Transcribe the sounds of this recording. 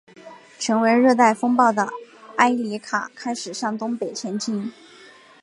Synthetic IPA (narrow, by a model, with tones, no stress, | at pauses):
ʈ͡ʂʰɤ˧˥ŋwe˧˥ɪɻɤ˥˧t̪a˥˩ɪfɤ˥ŋpɑ˥˩ʊd̪ə˩a˥ɪli˧˥kʰa̰˨˩kʰa˥ɪʂɻ̩˨˩ʂɑ˥˩ŋt̪ʊ˥ŋpe˨˩ɪt͡ɕʰjɛ˧˥nt͡ɕi˥n